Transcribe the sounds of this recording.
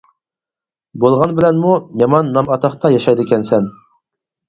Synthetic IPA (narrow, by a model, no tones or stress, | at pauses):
bolˠʁɑnbɪlɛnmujɑmɑnːɑmɑt̪ʰɑχt̪ɑjɑʃɑjd̪ɨkʲɛnsɛn